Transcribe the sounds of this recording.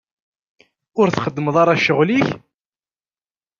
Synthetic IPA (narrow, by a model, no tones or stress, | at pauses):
ʊɾθχəd̪ːəməðˤɑɾˤɑʃəʁliç